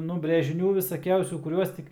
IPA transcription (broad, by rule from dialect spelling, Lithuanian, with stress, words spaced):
nʊ bʲrʲeːʒʲɪˈnʲuː ʋʲɪsɐˈkʲɛʊsʲuː kʊˈrʲuɔs tʲɪk